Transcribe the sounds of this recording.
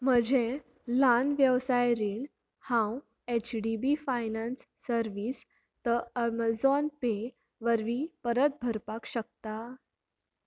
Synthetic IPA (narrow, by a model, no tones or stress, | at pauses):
m̤əd͡ʑʱẽ | lanʋjəʋsajɾiɳ | hãw | et͡ɕɖibifajnansːəɾʋiːs | t̪əəmad͡zɔnpe | ʋəɾʋiːpəɾət̪̚bʱəɾpakɕək̚t̪a